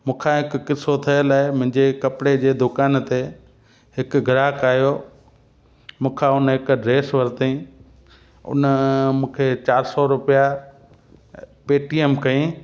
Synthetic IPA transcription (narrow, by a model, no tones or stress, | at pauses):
mũːkʰãɦɪkːɪsot̪ʰɐjəlaːɪmʊ̃ɦɪ̃ɲd͡ʑekɐpɽed͡ʑeːd̪ʊkaːnt̪e | ɦɪkɡʱɾaːkaːɦijo | mũːkʰãʊnɦɪkɖɾeːsʋɐɾt̪ĩ | ʊ̰nmũːkʰet͡ɕaːɾsɔɾʊpija | peːʈiemkɐĩ